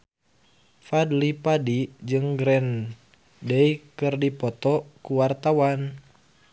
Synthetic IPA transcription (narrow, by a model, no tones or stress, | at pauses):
fadlipadid͡ʒɨŋɡɾɛn | dɛikɨrdipɔt̪ɔkuwart̪awan